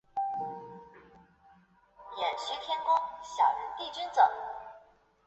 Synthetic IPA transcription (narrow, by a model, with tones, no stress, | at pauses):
jɛ˨˩nɕy˥t̪ʰjɛ˥nkʊ˥ŋɕjɑ̰˨˩ʊɻə˧˥nt̪i˥˩ʈ͡ʂi˥nt͡sɤ˨˩˦ŋ